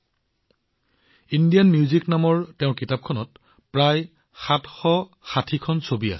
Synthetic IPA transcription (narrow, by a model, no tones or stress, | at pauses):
indijanmiuziknamɔɹteʊ̃nkitap̚kʰɔnɔt̚ | pɹaj | xatxɔ | xatʰikʰɔnsobia̰sɛ